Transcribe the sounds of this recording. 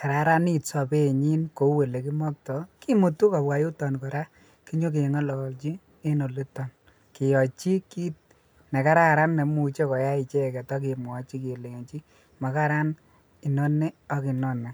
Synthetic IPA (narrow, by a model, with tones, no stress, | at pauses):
ka˨ɾa˨ɾa˦ni˦˨tsɔ˨pe˦˨ɲi˦nko˨˦we˨le˨ki˦mɔ˦k̚tɔ˨ki˦mu˨tu˦ka˨bwa˨ju˦tɔ˨nkɔ˨ɾa˦ | ki˦ɲo˦k̬e˨ŋa˦lɔ˨lt͡ʃi˦ | e˦no˨li˦tɔ˨n | kɪ˨jɔ˨t͡ʃi˦ki˦t̚ | nɛ˨ka˦ɾa˦˨ɾa˦nːɛ˨mu˨t͡ʃe˦kɔ˨ja˦i˨t͡ʃɛ˦˨kɛ˨tɔ˦k̬ɪ˨mwɔ˨t͡ʃi˦ki˨le˨ŋ˨t͡ʃi˦ | ma˨ka˦ɾa˦n | i˨nɔ˦nːe˦ɔ˦ki˨nɔ˦nːɛ˨